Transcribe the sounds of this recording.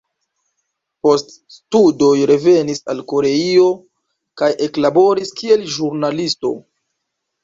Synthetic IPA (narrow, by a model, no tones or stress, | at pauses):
po̞st | studojɾe̞ve̞nisa̰lko̞ɾe̞io̞ | kajʔe̞klabo̞ɾiskie̞lʒuɾnalisto̞̰